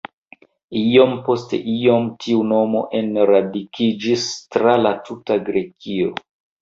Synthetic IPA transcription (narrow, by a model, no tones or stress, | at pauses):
io̞mpo̞ste̞̰ʔio̞mtʰiuno̞mo̞̰ʔe̞nɾadikʰid͡ʒistɾalatʰutaɡɾe̞kio̰